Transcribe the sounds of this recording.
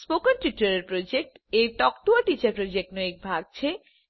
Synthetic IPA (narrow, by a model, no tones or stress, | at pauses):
spokanʈ̪iʈːaɾeɾpɾod͡ʑek̚ʈ | eɾʈɔkʈoaʈit͡ɕaɾpɾod͡ʑek̚ʈnoek̚bʱaɡ̚t͡ɕʰe